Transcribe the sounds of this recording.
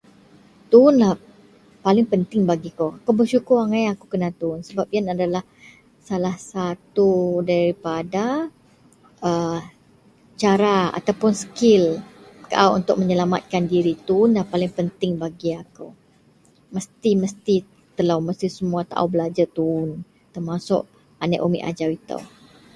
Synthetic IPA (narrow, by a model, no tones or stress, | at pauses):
t̪uːnlah | palɪŋpənt̪ɪŋbaɡikoakawbərʃukʊraŋãjakukənat̪uːnsəbap̚ianadalah | salahsat̪udaɾipada | ʔə | t͡ʃaɾaa̰t̪awpʊnsə̥kɪlkaʔawʔunt̪ʊk̚məɲəlama̰t̪̚kandiɾit̪unːapalɪŋpənt̪ɪŋbaɡiaku | məst̪iməst̪i | t̪əlawməst̪isəmuat̪a̰ʔa̰wbəlad͡ʒat̪un | t̪ərmasʊ̰ʔ | anaʔomḭʔa̰d͡ʒawit̪ə̰w